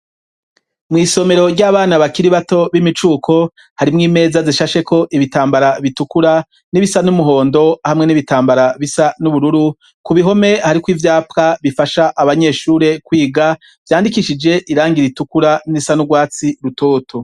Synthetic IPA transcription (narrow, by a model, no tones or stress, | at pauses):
mŋiːso̞me̞ɾo̞ɾɟaːβaːnaβakiɾiβato̞βimit͡ʃuːkʰo̞ | haɾimŋiːme̞ːzaziʃaʃe̞kʰo̞ʔiβitaːmbaɾaβitukuɾa | niβisanumuɦo̞ːndo̞hamŋe̞niβitaːmbaɾaβisanuβuɾuɾu | kuβiɦo̞me̞haɾikwivjaːpkaβifaʃaʔaβaɲe̞ːʃuːɾe̞kwiːɡa | v̥jaːndikiʃid͡ʒe̞ʔiɾaːŋɡiɾitukuɾaniβisanuɡwaːt͡siɾutʰo̞ːtʰo̞